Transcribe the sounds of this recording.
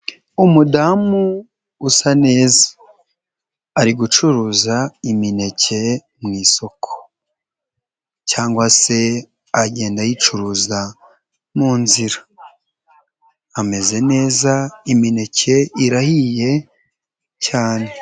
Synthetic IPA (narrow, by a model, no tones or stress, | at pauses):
umudamuː | sane̞ːzḁ | ɾiɡut͡ʃuɾuːzaimine̞ce̞ | mŋiːso̞kʰo̥ | caːŋɡwase̞ | aɟe̞ːndajit͡ʃuɾuːza | muːnziɾa | ame̞ze̞ne̞ːzaimine̞cʰe̞iɾahije̞ | caːne̞